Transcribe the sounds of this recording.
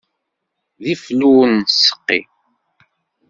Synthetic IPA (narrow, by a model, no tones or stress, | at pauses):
ðifluwənsːə̥qːḭ